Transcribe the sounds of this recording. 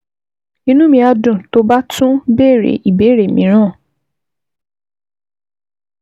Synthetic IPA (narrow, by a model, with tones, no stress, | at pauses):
ĩ˧nũ˦mĩ˧a˧dũ˨to˦ba˦tʰũ˦be˦˨ɾḛ˨˦ʔi˨be˨˦ɾe˨mĩ˨˦ɾ̃ã˦˨